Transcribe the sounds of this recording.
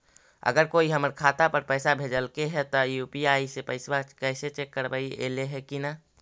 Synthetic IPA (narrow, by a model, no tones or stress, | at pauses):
ə̰ɡəɾkoːiɦəməɾkʰaːt̪apəɾpəɪsabʱeːd͡ʒəlkeɦɛt̪ɔjupiaːisepəɪswakɛɪset͡ʃekːəɾbaiʔḛleɦɛkina